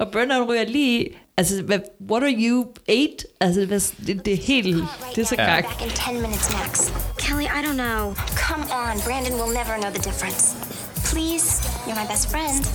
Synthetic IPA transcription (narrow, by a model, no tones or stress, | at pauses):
ʔɒ̽b̥ɜːnaʊnʁyɐliːi | ælsəʋæʋɒɾɑjueɪd̥ælsəd̥eæsd̥ed̥ehe̝̰ːld̥esɒɡ̥ɑ̥ækɨ̃ntʰɛ̃nmɪ̃nɨtsnækskʰɛlˠiʔaɪɾõʊ̃nːoʊkʰʌ̃mə̃nbɹæ̃ndɨ̃nwɪlˠnɛvə˞noʊðɨdɪfɹɨ̃ns | pʰl̥iz̥jə˞maɪbɛstfɹɛ̃nd̥